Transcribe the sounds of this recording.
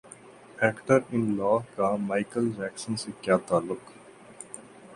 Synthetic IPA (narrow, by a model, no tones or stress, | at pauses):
ɛːkʈəɾɪ̃nlɔːkamaɪkəld͡ʒɛːksə̃nsekjaːt̪aːlːʊk